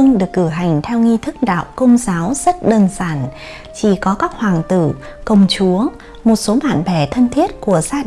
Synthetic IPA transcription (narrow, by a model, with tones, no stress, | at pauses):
ŋɗɨ˨˩əkːɨ˧˩ɦa˨˩jŋ̟t̪ʰɛ˧wŋi˧t̪ʰɨ˦˥k̚ɗa̰ː˧˨wkə˧wŋ͡mzaː˨˦wzə˦˥t̚ɗəː˧nzaː˧˩n | t͡ɕi˧˩kɔ˨˦kaː˦˥k̚hwaː˨˩ŋt̪ɨ̰˧˩ | kə˧˩wŋ͡mt͡ɕu˨˦ə | mo˨˩t̚so˨˦ɓa̰ː˧˨nɓɛ˧˩t̪ʰə˧nt̪ʰi˦˥ət̚ku˧˩əzaː˧